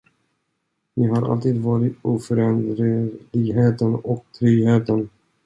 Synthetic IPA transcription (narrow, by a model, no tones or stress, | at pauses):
nɪɦaɾʔa̰lt̪ʰiːd̪vɑːɾɪt̪uːfœɾɛnd̪ɾəlɪɡɦeːt̪ənɔkt̪ʰɾyːheːt̪ən